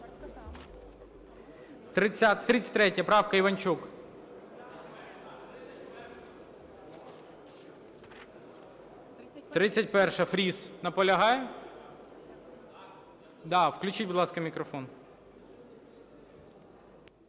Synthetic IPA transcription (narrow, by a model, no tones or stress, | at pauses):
t̪ɾɪt͡sʲt̪ːɾɪt͡sʲɐ̥tʲt̪ɾɛtʲjɐpɾɑwkɐiʋɐnʲt͡ʃuk | t̪ɾɪt͡sʲːɐt̚ʲpɛrʃɛfɾʲiznɐpɔlʲɐɦɑjɛ | d̪ɑwklʲʉt͡ʃit̚ʲbʊd̪lˠɑskɐmʲikɾɔfɔn